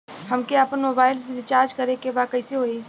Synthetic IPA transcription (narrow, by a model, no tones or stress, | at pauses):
hɐmkeapənmoːbaːɪlsedɪt͡ʃaːɾd͡ʒkɐɾekebaːkɐɪseɦoːiː